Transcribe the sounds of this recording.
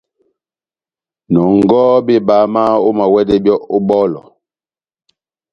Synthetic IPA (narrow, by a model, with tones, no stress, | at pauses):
nɔ˨ŋ˦˨ɡɔ˦be˦˨baː˨˦ma˦o˦ma˨wɛ˦de˦bjɔ˦ʔo˦ɓɔ˦lɔ̰˨